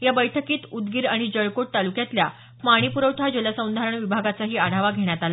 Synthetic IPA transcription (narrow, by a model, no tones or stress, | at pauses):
jabəjʈʰəkiːt̪ud̪ɡiːɾaɽ̃id͡ʑəɭkoʈ̚t̪alukjat̪lja | paɽ̃ipuɾəwʈ̪ʰad͡ʑələsə̃w̃nd̪ʱaɾəɳʋibʱaɡat͡saɦiːaɽ̤aʋaɡʱeɽjat̪ala